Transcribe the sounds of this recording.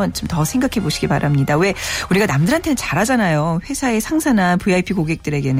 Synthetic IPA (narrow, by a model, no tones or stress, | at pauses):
ʌnt͡ɕomtʌsʰe̞ŋɡakʰe̞boɕʰiɡiba̰ɾamɲidawe̞uɾiɡanamdɯɾɦantʰenɯnt͡ɕaɾɦad͡ʑanajoɸwe̞sʰae̞sʰaŋsʰananpuaipʰikoɡe̞k̚t͈ɯɾe̞ɡenɯ